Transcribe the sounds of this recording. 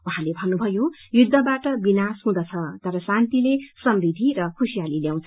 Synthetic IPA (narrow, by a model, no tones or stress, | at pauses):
wuɦãlebʱʌnːubʱʌjojud̪ʱːʌbaʈʌbinasɦũd̪ʌt͡sʰʌt̪ʌɾʌsãnt̪ilesʌmɾid̪ʱiɾʌkʰusijaliljaw̃t͡sʰʌ